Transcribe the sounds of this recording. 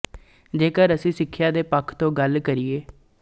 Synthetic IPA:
d͡ʒeːkəɾəsĩːsɪkʰːjaːd̪eːpəkʰt̪õːɡəlkəɾieː

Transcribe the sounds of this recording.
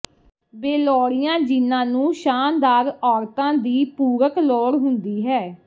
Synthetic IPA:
beːlɔːɽijãːd͡ʒɪnãːnũːʃaːnd̪aːɾɔːɾt̪ãːd̪iːpuːɾəkloːɽɦʊnd̪iːɦɛː

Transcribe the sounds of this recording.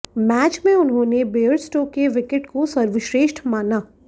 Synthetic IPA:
mɛːt͡ʃmẽʊnɦõːnebeːəɾsʈoːkeʋɪkɪʈkosɐɾʋɪʃɾeːʃʈmaːnaː

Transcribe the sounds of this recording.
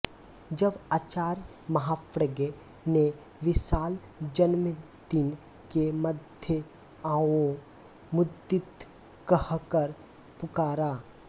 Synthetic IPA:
d͡ʒɐbaːt͡ʃaːɾ | mɐɦaːpɾəɡe | ne | ʋɪʃaːl | d͡ʒɐnm | d̪ɪn | keməd̪ʱjə | ãːwo | mʊd̪ːɪt̪ | kəhkəɾ | pʊkaːɾaː

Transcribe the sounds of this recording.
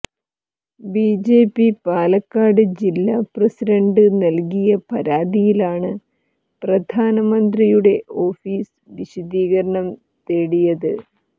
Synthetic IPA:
biːd͡ʑe̞ːpːipaːlɐkːaːɽɨd͡ʑilːaːprɐsiɾɐɳɖɨnɐlkijɐpɐɾaːd̪ijilaːɳɨ | prɐd̪ʱaːnɐmɐnd̪rijuɽe̞ʔo̞ːfiːs | ʋiɕɐd̪iːɣɐɾɐɳɐm | t̪e̞ːɽijɐðɨ

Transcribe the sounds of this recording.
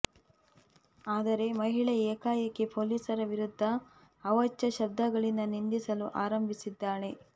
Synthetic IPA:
aːd̪ɐɾe̞mɐɦiɭɐeːkaːjɐkːe̞poːliːsɐɾɐʋiɾud̪ʱːɐː | ʋɐt͡ʃːɐʃɐb̚d̪ʱɐɡɐɭind̪ɐnind̪isɐluʔaːɾɐmbʱisid̪ːaːɳe̞

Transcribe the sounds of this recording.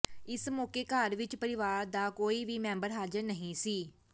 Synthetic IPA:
ɪsmɔːkeːkaːɾʋɪt͡ʃpəɾɪʋaːɾd̪aːkoːiːʋiːmɛ̃ːmbəɾɦaːd͡ʒəɾnəɦĩːsiː

